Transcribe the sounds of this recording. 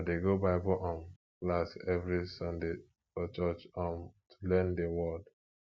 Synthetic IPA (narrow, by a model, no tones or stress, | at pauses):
deɡobaɪbɔʔɔ̃n | lasɛvɹisʌ̃nde | fɔt͡ʃɔt͡ʃãntʰu̥lɛ̃ndewɔd